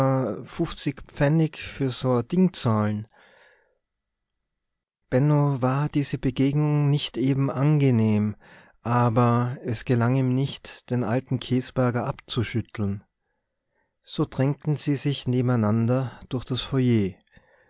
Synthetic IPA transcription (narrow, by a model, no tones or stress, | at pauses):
fʊft͡sɪkp͡fɛnɪçfyːɐzod̥ɪŋt͡saːln | b̥ɛnovaːɐdiːzəbəɡeːɡnʊŋnɪçtʔeːbm̩ʔanɡəneːm | ʔaːbɐɛsɡ̥əlaŋiːmnɪçtd̥eːnʔa̰ltn̩kʰeːsb̥ɛɐɡɐʔapt͡suʃʏtʰl̩n | z̥oːd̥ʁɛŋk̚tn̩ziːzɪçneːbm̩aɪnandɐd̥ʊɐxd̥asfɔjeː